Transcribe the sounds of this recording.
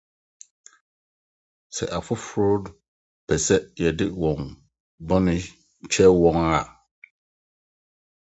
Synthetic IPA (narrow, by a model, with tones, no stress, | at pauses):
sɛ̰˨ʔa˨fʊ˦fɾɔ˦d | pʰɛ˨sɛ˦jɛ˨dɪ˦wɔ̃˨n | bɔ̃˦nɪ̃˦ | t͡ɕʰɛ˦wɔ̃˨ŋa˦˨